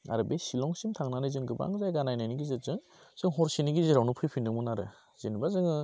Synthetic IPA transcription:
a̰ɾɯbesilɔŋsimtʰaŋnanɯjzɯŋɡɯba̰ŋzajɡanajnajniɡizɯz̥ɯŋ | z̥ɯŋɦɔɾsiniɡiziɾawnupʰɯjpʰinːɯmɯnaɾɯ | z̥inbazɯŋɯ

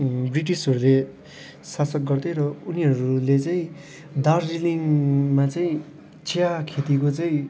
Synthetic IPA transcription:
briʈ̬isɦʌɾule | sasʌk̚ɡʌrd̪ʌjɾʌuniɦʌɾulet͡saĩ | d̪arːiliŋmat͡saĩ | t͡sʰijakʰet̪ikot͡sʌĩ

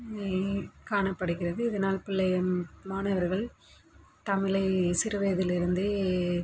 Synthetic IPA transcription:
kaːɳɐpːɐɽɯkːɪrɐðɯɪðɐnaːlpɪlːɐɐmaːnɐʋɐɾɣɐɭ | t̪ɐmɪlɐɪsɪɾɯʋɐːðɪlɪɾɯnd̪ɯ

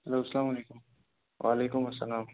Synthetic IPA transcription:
ɐloːsɐlaːmɐleːkʊm | ʋa̰ːleːkʊmɐsːɐ̰laːm

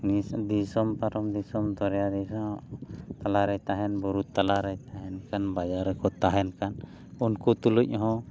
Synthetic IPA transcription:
nid̪isɔmpaɾɔmd̪isɔmd̪ɔɾɛjad̪isɔ | t̪alaɾɛjt̪aɦɛnbuɾut̪ːalaɾɛjt̪aɦɛnkanbad͡ʒaɾɛkɔt̪aɦɛnkan | unkut̪uluc̚ɦɔ̃

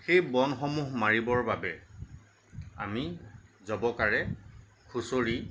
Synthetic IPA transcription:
xejbɔnxɔmuɦmaɹibɔɹbabɛ | a̰mizɔbɔkaɹɛ | kʰusoɹi

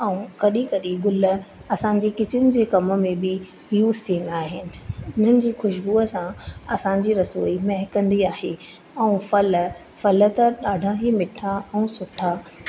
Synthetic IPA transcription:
ɛ̃ũkɐɗikɐɗiɡʊlə̆ɐsãɲ̆d͡ʑiːkɪt͡ɕɪnɪ̆d͡ʑeːkɐmə̆mẽbɪ | juːzt̪ʰiːə̃nd̪aːɦɪnɪ̆ʊn̤ənɪ̆d͡ʑiːxʊʃbuːəsãɐsãːɲ̆d͡ʑiːɾɐsoːimɛɦɪkɐ̃nd̪iaːɦe | ɛ̃ũfɐlə̆ | fɐlə̆t̪ɐɗaːɖʱãɦimɪʈʰaɛ̃ũsʊʈʰaː

